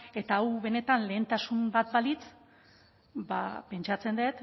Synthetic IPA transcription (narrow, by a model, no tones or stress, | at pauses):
e̞t̪aawβe̞ne̞t̪anle̞ːnt̪asumbat̪̚balit͡s | ba̰pe̞nt͡ʃat͡se̞nd̪et̪